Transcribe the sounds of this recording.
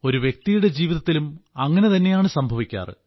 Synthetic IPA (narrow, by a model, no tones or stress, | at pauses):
o̞ɾuʋjek̚t̪ijuɽe̞d͡ʑiːʋiðɐt̪ːilumɐŋːɐne̞t̪ɐnːe̞jaːɳɨsɐmbʱɐʋikʲːa̰ːrɨ̰